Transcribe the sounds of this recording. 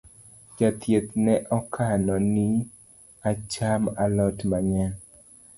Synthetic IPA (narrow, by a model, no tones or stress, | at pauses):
d͡ʒat̪ʰjet̪nɛʔɔkʰanɔni | at͡ʃamalɔtmaɲɛn